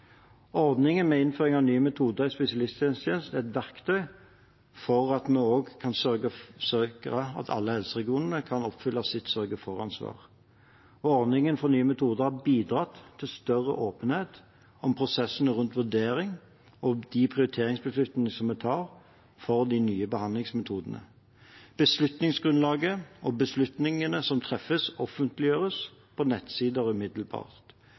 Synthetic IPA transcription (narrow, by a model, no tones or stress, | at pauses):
ɔʁd̪nɪŋənmɛɪnføːɾɪŋɑʋnyːəmɛt̪ʰuːd̪əɪspɛsɪɑlɪst̪ʰjɛnst̪ʰjeːnsæɛt̪ʋæʁkt̪ʰœʏ | fɔʁɑt̪mɛoːɡkʰɑnsœɡəsøkəɑ̰t̪ʰɑ̰lːəhɛlsəʁɛɡɪuːnəʁəkʰɑnɔpfʏlːɑsɪt̪sœɾɡəfɔʁɑnsʋɑ̰ːʁ | ɔɔʁd̪nɪŋənfɔʁnyːəmɛt̪ʰuːd̪əʁhɑbiːd̪ɾɑt̪ʰːɪlst̪œʁə̰ʔoːpənheːt̪ | ɔmpʰʁʊsɛsːənəʁʉnt̪ʋʉd̪eːʁɪŋ | ɔd̪ɪpʰʁɪʊɾɪt̪ʰeːʁɪŋsbəslʉt̪nɪnəsɔmɛt̪ʰɑːʁ | fɔʁd̪ɪnyːəbəhɑnlɪŋsmɛt̪ʰuːd̪ənə̰ | b̥əslʉt̪nɪŋsɡʁʉnlɑːɡəʔɔbəslʉt̪nɪŋənəsɔmt̪ʰʁɛfəsɔfənt̪lɪjøːʁəspʰɔnɛt̪siːd̪əɾʉmɪd̪lbɑ̰ːʁt̪